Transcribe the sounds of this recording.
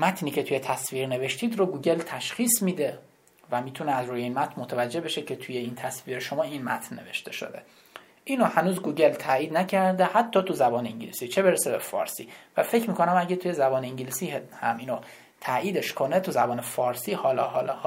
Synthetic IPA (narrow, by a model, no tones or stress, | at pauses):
mæt̪ʰniːcʰe̞t̪ʰuje̞t̪ʰæsviːɾne̞ve̞ʃt̪iːd̪roɡuːɟe̞lt̪ʰæʃxiːsmiːd̪e̞ | væmiːt̪ʰuneæzɾuːjeiːnmæt̪ʰnmot̪ʰævæd͡ʒːe̞be̞ʃecʰe̞t̪ʰujeiːnt̪ʰæsviːɾeʃomɒːinmæ̰t̪ʰnːe̞ve̞̰ʃt̪e̞ʃo̰d̪e | ʔiːnohænuːzɡuːɟe̞lt̪ʰæiːd̪næcʰæɾd̪ehæt̪ʰːɒːt̪ʰuzæbɒːneiɲɟilisit͡ʃʰe̞be̞ɾesebe̞̰fɒ̰ːɾsḭːvæfe̞cʰmiːkʰonæmæɟæt̪ʰuje̞zæbɒːneiɲɟilisiːhhæ̰miːno | t̪ʰæʔiːd̪e̞ʃkʰo̞net̪ʰuzæbɒːnefɒːɾsiːhɒːlɒːɦɒːlɒh